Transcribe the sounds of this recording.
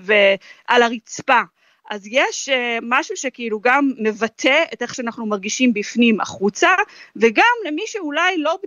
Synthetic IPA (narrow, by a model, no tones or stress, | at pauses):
veʔalaʁit͡spa | ʔazjeʃmaʃuʃekeiluɡamːevatʰeete̞χʃeanaχnumaʁɡiʃimbifnima̰χut͡saveɡamlemiʃeulajlo̞b